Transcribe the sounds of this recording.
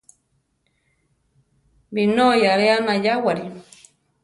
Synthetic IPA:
binojaɾeanajawaɾi

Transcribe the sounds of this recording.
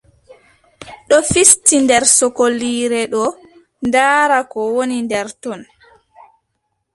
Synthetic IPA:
ɗɔfistindɛɾsɔkoliːɾɛɗɔ | ndaːɾakɔwonindɛɾtɔn

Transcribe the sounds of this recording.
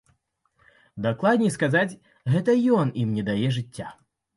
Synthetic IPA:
d̪aklˠad̪ʲnʲɛskazat͡sʲ | ɣɛt̪ɐjɔnimnʲɛd̪ajɛʐɨt͡sʲːa

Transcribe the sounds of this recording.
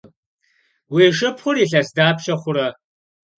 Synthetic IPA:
wiːʃɨpʰχʷʊɾiːɬɐsdaːpʰʃɐχʷʊɾɐ

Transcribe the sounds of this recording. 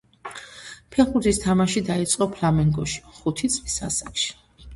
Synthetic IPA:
pʰɛɾχuɾt̪ʰist̪ʰamaʃid̪ait̪sʼqʼɔpʰlamɛŋɡɔʃi̥χut̪ʰit̪sʼlisasakʃi̥

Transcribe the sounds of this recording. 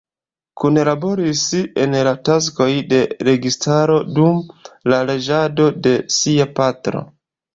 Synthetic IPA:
kunlabo̞ɾise̞nlatas̬ko̞jde̞ɾe̞ɡistʰaɾo̞dumlale̞d͡ʒado̞de̞siapatɾo̞̰

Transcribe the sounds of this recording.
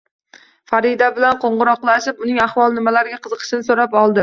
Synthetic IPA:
faɾɪd̪abɪlanqoɴʁʊɾɒqlˠaʃɪpʊnɪŋaχvɒlˠnɪmalaɾɪɡʲaqʰɨzɨqʰɨ̥ʃɪnɪsoɾapɒlˠd̪ɪ

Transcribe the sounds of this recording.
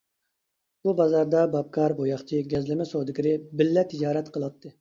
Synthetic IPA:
b̥ubɑzɑɾd̪ɑbɑp̚kʰɑɾbojɑχt͡ʃʰiɡʲɛzlɪmɛsod̪ɪkʲiɾɪbɪlːɛt̪ʰɪd͡ʒɑːɾɛt̪qʰəlˠɑt̪ʰːɨ

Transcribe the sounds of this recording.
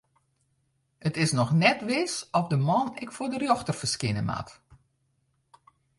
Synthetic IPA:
ətɪsnɔxnɛtʋɪsɔfdəmɔnɪkfʊːdərjoxtərfərskɪnəma̰t

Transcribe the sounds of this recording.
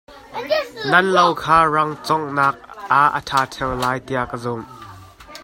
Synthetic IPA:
nɐnlɐwkʰaːrɐŋt͡sɔŋnaːk̚ʔaʔə̰tʰaːtʰɛwlaːjt̪iɐʔkəzʊm

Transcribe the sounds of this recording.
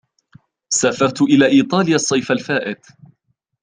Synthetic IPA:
saːfɑɾˤt̪ʊʔɪlaːʔiːt̪ˤɑːlɪjasˤːɑjfalfaːʔɪd̪

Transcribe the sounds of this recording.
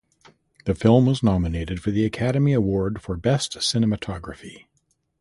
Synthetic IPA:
ðɨfɪlˠmwʌznɑmɨneɪɾɨd̥fə˞ðiɨkʰæɾɨmiəwɔɹd̥fə˞bɛstsɪnɨmɨtʰɑɡɹɨfi

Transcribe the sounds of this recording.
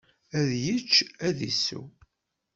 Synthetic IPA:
æðjət͡ʃːæðḭsṵ

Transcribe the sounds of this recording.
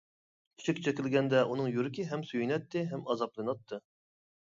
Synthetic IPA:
t̪ʰy̥t͡ʃʰɛkʲt͡ʃʰɛkʲɪlɡʲɛnd̪ɛʔunɨŋjuɾɪkʲɪɦɛmsyjynɛt̪ːɪɦɛmɑzɑplˠɨnɑt̪ʰːɨ

